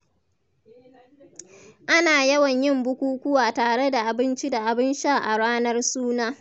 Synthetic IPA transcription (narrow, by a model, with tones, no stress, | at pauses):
ʔa˦naː˨jɐ˦wɐ˨ɲjɪ˦mbʊ˦kʷuː˦kʷʊ˦waː˨taː˨ɽe˦da˨ʔa˨bɪ˦nt͡ʃi˦da˨ʔa˨bɪ˦nʃaː˦˨ʔa˨ɽaː˦nɐ˦rsuː˦naː˦